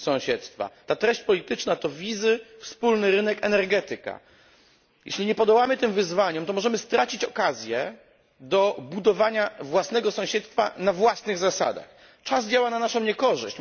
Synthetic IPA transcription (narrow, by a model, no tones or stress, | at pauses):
sɔ̃w̃ɕɛt̪st̪fa̰t̪at̪ɾɛɕt͡ɕpɔlʲit̪ɘt͡ʂnat̪ɔvʲizɘfspulnɘɾɘnɛkɛnɛɾɡɛt̪ɘka̰ | jɛ̰ɕlʲiɲɛpɔd̪ɔwamɘt̪ɘmvɘzvaɲɔmt̪ɔmɔʐɛmɘst̪ɾat͡ɕit͡ɕɔkazʲjɛ | d̪ɔbud̪ɔvaɲavwasn̪ɛɡɔsɔ̃w̃ɕɛt̪st̪fa̰navwasnɘɣzasa̰d̪a̰x | t͡ʂazd͡ʑawananaʂɔ̃w̃ɲɛkɔʐɘ̰ɕt͡ɕ